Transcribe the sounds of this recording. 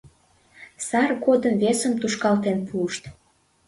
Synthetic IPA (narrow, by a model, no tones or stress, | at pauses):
sɑrɡod̪əmvesəmt̪uʃkɑlt̪enpʰuəʃt̪